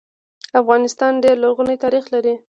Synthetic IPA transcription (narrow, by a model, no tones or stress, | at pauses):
afɣɑnɪst̪ɑnɖeɾlaɾɣunat̪ɑɾixlaɾi